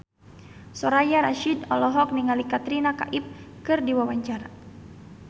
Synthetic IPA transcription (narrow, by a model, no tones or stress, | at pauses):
sɔɾajaɾaʃidɔlɔɦɔk̚niŋalikat̪ɾinaka̰ʔip̚kɨrdiwawaɲt͡ʃaɾa